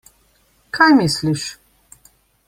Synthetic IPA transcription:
kʰajmisliʃ

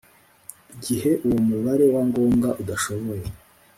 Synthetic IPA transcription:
iɟihe̞ʔuwomuβaɾe̞waŋɡo̞ːŋɡaʔudaʃo̞βo̞je

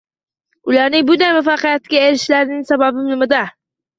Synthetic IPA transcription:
ʊlaɾnɪŋbʊnd̪ajmʊfɑqɨjat̪̚kʲaeɾɪʃlaɾnɪŋsababɪbɪlmɪd̪a

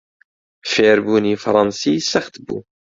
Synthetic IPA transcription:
feɾbunifɾˤɑnsisæχt̪əbṵ

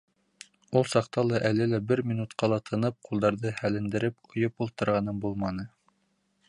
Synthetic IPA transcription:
ulˠsɑqt̪ɑlˠɑʔælɘlæbɘɾmʲinut̪qɑlˠɑt̪ʰɤ̆nɤp̚qulˠd̪ɑɾðɤhælɘ̆nd̪ɘ̆ɾɘp̚qʰŏjɤpulˠt̪ɤ̆ɾʁɑnɤmbulˠmɑnɤ

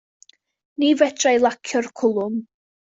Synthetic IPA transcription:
nivɛdʰrajlˠakʰjɔrkʰʊlˠʊm

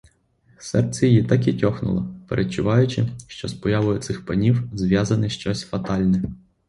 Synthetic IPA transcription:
sɛrsʲɛjjit̪ɐkʲitʲɔxnʊ̰lˠɔ̰pḛɾʔet͡ʃʊʋɑjʊt͡ʃɪʃt͡ʃɔspɔjɑʋʊjʊt̪sɪxpɐnʲiwzʋʲjɑzɐnɪʃt͡ʃɔsʲfɐt̪ɑlʲnɛ

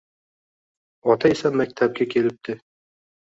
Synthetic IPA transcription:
ɒt̪ɑisæmæk̚t̪ʰæp̚ɡʲækʲʰelɘp̚t̪ɘ

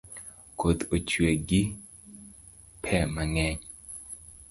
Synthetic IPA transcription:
kʰot̪ot͡ʃweɡi | pʰɛmaŋɛɲ

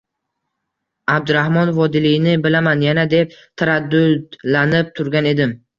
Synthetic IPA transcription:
ab̚d̪ʊɾahmɒnvɒd̪ɪlɪjnɪbɪlamanjanad̪e̞p̚t̪ʰaɾad̪ːʊd̪lanɪp̚t̪ʰʊɾɡʲane̞d̪ɪm

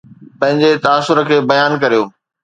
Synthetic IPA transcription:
pɐ̃ɦɪ̃ɲd͡ʑet̪ɐasːʊɾəkʰeːbɐjaːnkɐɾijoː

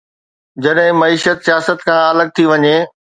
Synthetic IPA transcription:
d͡ʑɐɗɦɪ̃mɐiːʃət̪sijaːsət̪kʰãɐləɡ̚t̪ʰiʋɐɲeː

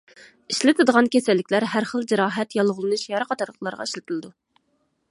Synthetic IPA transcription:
iʃlɪt̪ʰɨd̪əʁɑnkʲʰesælːɪkʲlæɾɦæɾχəlˠd͡ʒeɾɑːɦɛt̪jɑlˠʁʊlˠɨnuʃjɑɾɑqʰɑt̪ʰɑɾlˠəqlˠɑɾʁɑ̰iʃlɪt̪ʰɪlɨd̪u

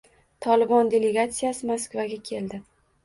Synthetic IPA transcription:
t̪ʰɒlɪbɒnd̪ʲe̞le̞ɡat̪sijasɪmaskvaɡʲakʲʰe̞ld̪ɪ

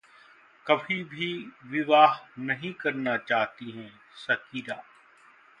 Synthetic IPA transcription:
kɐbʱibʱiʋɪʋaːɦnɐɦĩkɐɾnat͡ʃaːɦt̪iɦɛ̃ | sɐkiːɾaː

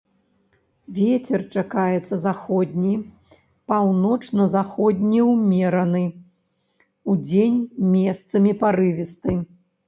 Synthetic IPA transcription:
vʲet͡sʲɛrt͡ʂakajɛt̪sːɐzaxɔd̪ʲnʲij | pawnɔt͡ʂnɐzaxɔd̪ʲnʲɛwmʲɛɾɐnɨ | ud͡zʲenʲmʲɛst̪sɐmʲipaɾɨvʲist̪ɨ

